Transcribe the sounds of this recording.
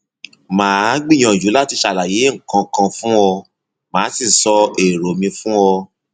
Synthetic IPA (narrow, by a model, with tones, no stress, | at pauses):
mãː˨˦ɡ͡bi˦˨j̃ɔ̃˧˨d͡ʒu˨˦la˦ti˧ʃa˨la˨je˨˦ŋ̩˨kã˧kã˧fũ˦ɔ˧ | mãː˨˦si˦˨sɔ˧e˨ɾo˨mĩ˧fũ˦ɔ˧